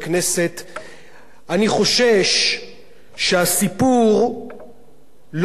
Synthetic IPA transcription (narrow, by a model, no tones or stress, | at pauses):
knese̞t̪ | aniχo̞ʃeʃ | ʃehasipuʁ | l